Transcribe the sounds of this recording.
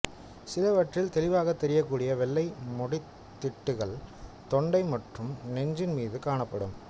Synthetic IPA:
sɪlɐʋɐʈrɪlt̪ɛlɪʋaːɣɐt̪ːɛɾɪjɐkːuːɽɪjɐʋɛɭːɐɪmɔɽɪ | t̪ːɪʈːɯɣɐɭt̪ɔɳɖɐɪmɐʈrɯmnɛɲd͡ʒɪnmiːðɯkaːɳɐpːɐɽɯ̰m

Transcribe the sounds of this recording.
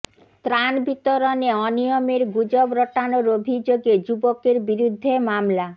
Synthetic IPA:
t̪ɾanbit̪oɾoneɔnijomeɾɡud͡ʑobɾoʈanoɾobʱid͡ʑoɡed͡ʑubokeɾbiɾud̪ʱːemamla

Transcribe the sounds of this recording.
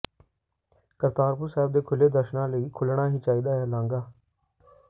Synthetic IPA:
kəɾt̪aːɾpʊɾsaːɪb̚d̪eːkʰʊleːd̪əɾʃnãːləiːkʰʊlɳaːɦiːt͡ʃaːiːd̪aːɦɛːlãːŋɡaː

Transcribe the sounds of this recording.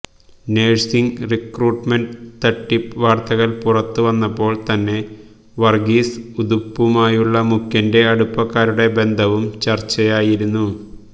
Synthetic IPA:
ne̞ːɻsiŋɡrikruːʈmenɖt̪ɐʈːipʋaːrt̪ɐɣɐlpurɐt̪ːuʋɐnːɐpːo̞ːɭt̪ɐnːe̞ | ʋɐrɡiːsuðupːumaːjuɭːɐmukːɐnde̞ɐɽupːɐkːaːɾuɽe̞be̞nd̪ʱɐʋumt͡ɕɐrt͡ɕːɐjaːjiɾunːu

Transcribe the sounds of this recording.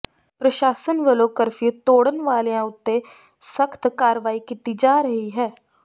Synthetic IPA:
pɾɐʃaːsənʋəloːkəɾfit̪oːɽənʋaːlejãʊt̪ːe | səkʰt̪kaːɾʋaːikit̪ːid͡ʒaːɾɐɦiɦɛː

